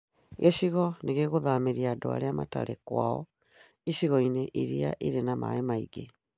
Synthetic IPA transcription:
ɣeʃiɣɔneɣeɣoðameɾiadoa̰ɾeama̰ta̰ɾɛkwaɔ̰ | iɕiɣɔineʔiɾia̰ʔiɾenama̰emaiɡe

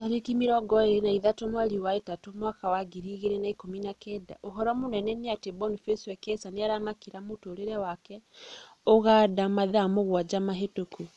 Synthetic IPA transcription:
aɾekimiɾɔɡɔeɾenaiðatomwaɾiwaetatomwakawaɡiɾiːɣeɾenaikominakɛda̰ʔoɦɔɾamonɛnɛneatebɔnifesɛkɛsaneaɾamakiɾamotoːɾeɾɛwakɛ | oɣadamaðamoɣwad͡ʒamaɦetoku

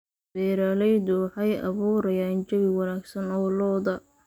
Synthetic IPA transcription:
b̥ɛːɾaːlɛjd̪ʊwħɑjʔɐ̰βuːɾɐjaːnt͡ʃɐβɪwɑnaːɡsɐnɔːlɔːðɐ

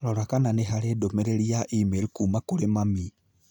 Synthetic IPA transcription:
ɾɔɾakananeɦaɾedomeɾeɾiaʔimeɾikuːmakoɾemami

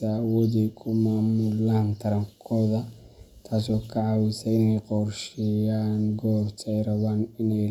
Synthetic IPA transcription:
ɐwɔːðɛjkʰʊmaːmuːlaːnt̪ʰɐɾɐŋkʰɔːðɐ | t̪ʰaːsɔːkʰɐʕɑwɪsɐɪnɛjqɔrʃɪjaːnɡɔːbt̪ʰːɛjrɐβaːnɪnɛ

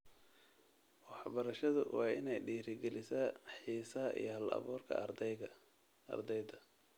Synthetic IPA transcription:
wɑħbɐɾɐʃɐðʊwɑːɪnɛjɖiːɾɪɡɛlɪsɐħiːsɐɦɐʔḭjɞhɐlɐ̰βɔːrkʰɐ̰ | ɐ̰rd̪ɛjd̪ɐ

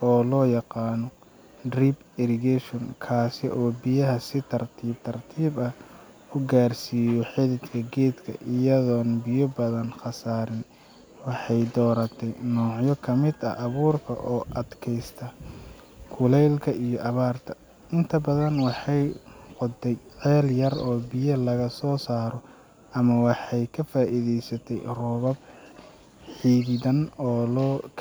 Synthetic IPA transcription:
ɔːlɔːjɑqɑːnɔ | drib | ɪɾɪɡɛʃɔŋkʰaːsɪʔɔːbɪjɐɦɐsɪt̪ʰɐrt̪ʰiːb̚t̪ʰɐrt̪ʰiːbɐ | ʊɡaːrsiːjɔħɪðɪd̪kʰɐɡɛːd̪kʰɐ̰ʔɪjɐðɔːnbɪjɔbɐðɐnχɑsaːɾɪn | wɑħɑjd̪ɔːɾɐt̪ʰɛjnɔːʕjɔkʰɐmɪd̪ɐ̰ʔːβuːrkʰɐ̰ʔɔːʔɐd̪kʰɛjst̪ʰɐ | kʰʊlɛjlkʰɐʔijɔʔɐβaːrt̪ʰɐ | ɪnt̪ʰɐbɐðɐnwɑħɑjqʊd̪ɛjʕɛːljɐrɔːbɪjɐlɐɣɐsɔːsaːɾɔ | ʔɐmɐwɑħɑjkʰɐfaːʔiðɛjsɐt̪ʰɛjrɔːβɐb̚ | ħiːðɪðɐnɔːlɔːkʰ

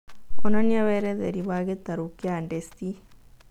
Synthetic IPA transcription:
ɔnaniaβɛɾɛðḛɾiβaɣet̪aɾukiandest̪i

